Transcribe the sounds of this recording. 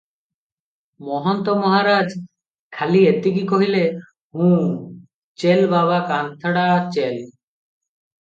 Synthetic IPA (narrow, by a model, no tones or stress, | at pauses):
mɔɦɔnt̪ɔmɔɦaɾad͡ʒ | kʰaliet̪iɡikoɦile | hũ | t͡ʃelbaβakant̪ʰaɽat͡ʃel